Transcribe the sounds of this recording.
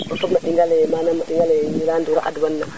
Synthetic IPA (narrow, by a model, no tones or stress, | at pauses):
mafukmaɗiŋɡalemanamaɗiŋɡaleɲilanduɾaʔa̰dwanːa